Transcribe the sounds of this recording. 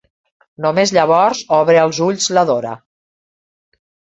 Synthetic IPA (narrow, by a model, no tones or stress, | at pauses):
nomezʎəβ̞ɔɾzɔβɾeəlˠzuʎzləðoɾə̰